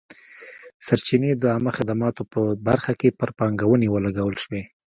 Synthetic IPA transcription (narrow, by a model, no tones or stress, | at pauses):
saɾt͡ʃined̪əamaxɪd̪amɑt̪opəbaɾxakepəɾpɑŋɡawənewəlaɡawəlʃwe